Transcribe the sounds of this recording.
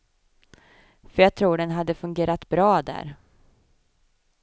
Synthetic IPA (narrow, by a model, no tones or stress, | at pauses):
fœɾjɑːɡ̚t̪ʰɾuːɖɛnɦad̪ːəfɵŋɡeːɾat̪bɾɑːd̪æ̰ːɾ